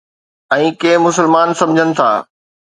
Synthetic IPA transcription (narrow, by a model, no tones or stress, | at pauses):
ɛ̃ːkeːmʊsəlmaːnsɐ̃md͡ʑʱənɪ̆t̪ʰa̰ː